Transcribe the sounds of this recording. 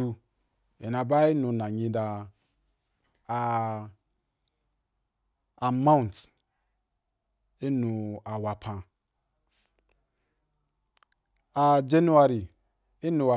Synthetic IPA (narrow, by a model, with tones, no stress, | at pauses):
u˧ | e˨na˨ba˦i˦nũ˧nã˨ɲĩ˧da˧˨ | mã˦u˨n˨t | i˦nũ˨a˨wa˨pʰã˨ | a˨d͡ʒe˦nu˦a˧ɾi˨ | i˦nũ˨wa˨